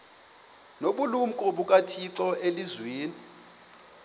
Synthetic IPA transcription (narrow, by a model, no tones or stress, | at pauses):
noɓulum̩kʼɔɓukʼatʰiǁɔelizweːni